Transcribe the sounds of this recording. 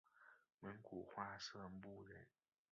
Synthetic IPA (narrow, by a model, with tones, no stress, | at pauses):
mə˧˥nkʰu˨˩xwa˥ʂɤ˥˩˧pu˥˩ɻə̰˨˥˦n